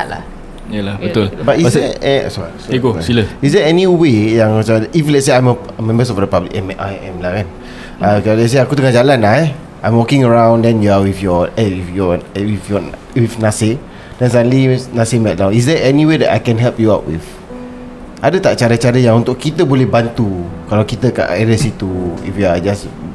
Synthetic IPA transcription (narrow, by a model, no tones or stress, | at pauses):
la̰ | jalabət̪ʊlbatisɛɛ̰sasɡoailəisdɛɛniwejãŋsaʔiflɛtseãj̃mə | əmɛ̃mbəs̬ɔfdəpablikɛmʔajɛmlakãn | ʔaalɛt̚s̬eakut̪̬əŋad͡ʒalanaɛ | ʔãjmwɔkɪ̃ŋəɹãw̃ndɛ̃njuawifjɔɛifjɔwifjɔ | wifnase | dɛ̃nsadə̃nlinasemɛʔ̚lawis̬dɛɛnĩwedɛta̰jkɛ̃nɦɛlpjuawt̚wḭf | ʔadət̪aʔt͡ʃaɾət͡ʃaɾəjaŋũnt̪ʊkkːit̪əbolɛhbant̪ukalakit̪əka̰ʔɛdəsit̪uḭfjuad͡ʒas